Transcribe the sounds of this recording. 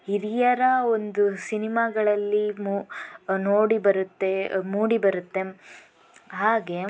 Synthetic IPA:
iɾijɐɾɐond̪usinimaːɡɐɭɐlːimunoːɽibɐɾut̪ːe̞muːɽibɐɾut̪ːe̞ | ɦaːɡe̞

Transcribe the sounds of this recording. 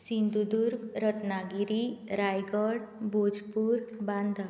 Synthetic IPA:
sind̪ud̪uɾɡɾət̪naɡiɾiɾajɡɔɽbod͡ʒpuɾbãnd̪ʱa

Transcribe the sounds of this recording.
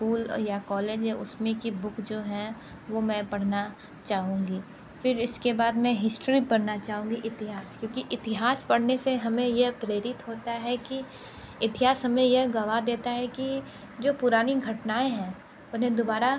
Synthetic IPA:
skuːljakɔːleːd͡ʒʊsmẽkibʊkd͡ʒoːɦɛ̃ | ʋomɛ̃pɐɽ̤na | t͡ʃaːɦũːŋɡiː | fɪɾɪskebaːd̪mɛ̃ɦɪsʈɾipɐɽnat͡ʃaːɦũːŋɡiʔɪt̪ɪɦaːskjõːkiʔɪt̪ɪɦaːspɐɽ̤neseɦɐmẽjeɦpɾeːɾɪt̪ɦoːt̪aɦɛki | ɪt̪ɪɦaːsɦɐmẽjeɦɡɐʋad̪eːt̪aɦɛki | d͡ʒoːpʊɾaːniɡʱɐʈnaːẽɦɛ̃ː | ʊnẽd̪obaːɾa

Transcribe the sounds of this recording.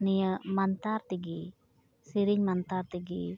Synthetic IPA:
nijəmant̪aɾt̪iɡi | siɾiɲmant̪aɾt̪iɡi

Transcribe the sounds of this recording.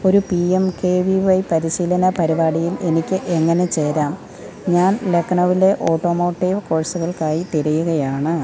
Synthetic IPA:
o̞ɾupiemkeːʋiʋɐjpɐɾiɕiːlɐnɐpɐɾibaːɽijile̞nikʲːɨʔe̞ŋːɐne̞t͡ɕe̞ːɾaːm | ɲaːnle̞kːɐɳɐʋile̞ʔo̞ːʈːo̞ːmo̞ːʈːiʋko̞ːɻsuɣɐɭkaːjit̪iɾɐjuɣɐjaːɳɨ

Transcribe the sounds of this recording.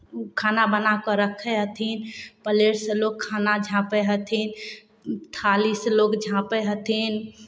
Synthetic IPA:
kʰaːnabənakəɾəkʰɛɦət̪ʰinpəleɾsəlokʰːanad͡ʒʱãpeɦət̪ʰin | t̪ʰalislokd͡ʒʱãpeɦət̪ʰin

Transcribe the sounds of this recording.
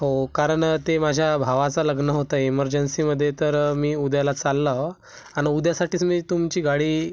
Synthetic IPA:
ɦokaɾəɳt̪emad͡ʑʱjabʱaʋat͡saləɡnəɦot̪aiməɾd͡ʑənsiːməd̪ʱːjet̪əɾmiːud̪jalat͡salːa | aɽ̃iud̪jasaʈiːt͡smiːt̪umt͡ɕiːɡaɽiː

